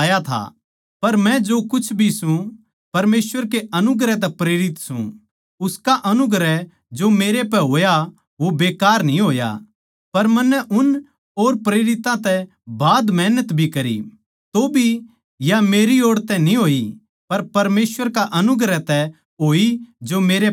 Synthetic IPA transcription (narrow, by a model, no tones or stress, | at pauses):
jat̪ʰa̰ | pɐɾmɛ̃d͡ʒokʊt͡ʃʰbʱisũ | pɐɾmeːswəɾkeʔɐnʊɡɾɛt̪̬ɛpɾeːɾɪt̪sṵ̃ | ʊskaʔɐnʊɡɾɛ | d͡ʒomeːɾep̬ɛɦoːja | ʋobeːkaːɾnĩɦoːja̰ | pɐɾmɐnːɛʔʊn | oːɾpɾeːɾɪt̪ãt̪ɛ | baːd̪mɛːnət̪bʱikɐɾḭ | t̪obʱi | jameːɾioːɽt̪ɛnĩɦoːi | pɐɾpɐɾmeːswəɾkaʔɐnʊɡɾɛt̪ɛ | ɦoːid͡ʒomeːɾe